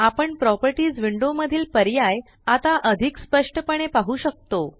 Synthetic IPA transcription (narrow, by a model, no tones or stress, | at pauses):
apəɳpɾɔpəɾʈiːd͡zʋiɳɖoməd̪ʱiːlpəɾjaj | at̪aʔəd̪ʱikspəʂʈəpəɳ̃epaɦuːɕək̚t̪o